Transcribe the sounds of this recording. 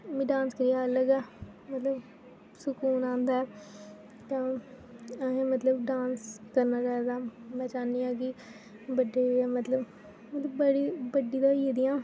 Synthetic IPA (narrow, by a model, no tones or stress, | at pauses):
mĩːɖãːnskəɾɪjaːələɡɛː | mət̪ləb | sʊkuːnãːnd̪aːɛː | t̪ãː | ɦẽːmət̪ləbɖãːnskəɾnaːɾɛːd̪aːmɛ̃ːt͡ʃaːniːãːk̬ɪ | bəɖeːɛːmət̪ləb | mət̪ləbːəɽiːbəɖiːd̪ãːiːed̪ɪjãː